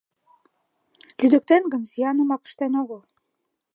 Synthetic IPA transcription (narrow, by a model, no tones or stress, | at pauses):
lyd̪ɘ̆k̚t̪ænɡɤ̆nsijɑnɤ̆mɑkə̥̆ʃt̪ænoɣɤ̆lˠ